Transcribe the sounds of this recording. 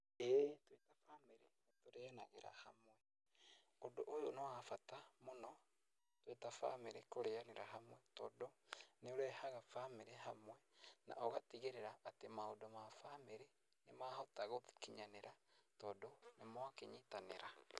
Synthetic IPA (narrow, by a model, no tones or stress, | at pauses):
ɛːtwetafaːmeɾenetoɾɛanaɣeɾa̰hamwɛ | odoʔojonoafatamonɔ | twetafa̰meɾekoɾeaneɾaɦamwɛtɔdoneoɾɛhaɣafameɾɛɦamwɛna̰ʔoɣatiɣeɾeɾaʔːtemaodɔmafameɾe | nemaːhotaɣoti̥kiɲaneɾatɔdɔnemoakeɲitanḛɾa